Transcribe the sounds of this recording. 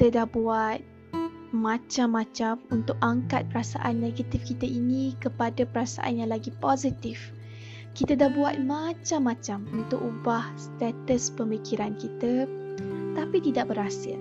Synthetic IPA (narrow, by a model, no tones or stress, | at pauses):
t̪ədahbuat̪̚ | mãt͡ʃamːãt͡ʃamunt̪ʊkaŋkat̪̚pəɾasa̰ʔanːeɡat̪ifkit̪aʔinĩkəpadapəɾasa̰ʔa̰njaŋlaɡipozit̪if | kit̪adahbuat̪̚mat͡ʃamːãt͡ʃamunt̪ʊkubahst̪ɛt̪əspəmikiɾankit̪ə | t̪apit̪idaʔ̚bəɾasɪl